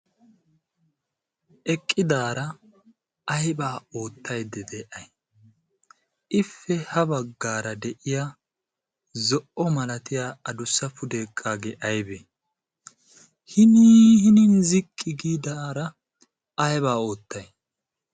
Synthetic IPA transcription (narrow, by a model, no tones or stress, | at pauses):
ʔɛkʼːɪd̪aːɾɐ | ɐjbaːo̞ːt̪ːɐjd̪ɛd̪ɛʔɐj | ʔɪfːɛhɐbɐɡːaːɾɐd̪ɛʔɪja | zɔʔɔmɐlɐt̪ɪjaːɐd̪ʊsɐfʊd̪eːkʼːaːɡeʔɐjbɛ | hɪnɪhɪnɪnzɪkʼːɪɡiːd̪aːɾɐ | ɐjbaːo̞ːt̪ːɐj